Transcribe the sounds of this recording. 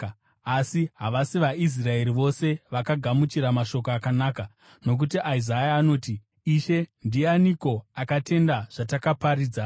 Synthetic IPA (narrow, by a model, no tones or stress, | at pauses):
asiɦaʋasiʋais̬rae̞ɾiʋo̞se̞ʋakaɡʱamut͡ʃiɾamaʃo̞koakanaːka | no̞k̬utiʔaizajaːno̞ːti | iʃe̞ndianiko̞akate̞ndaʐ̥atakapaɾiːd͡za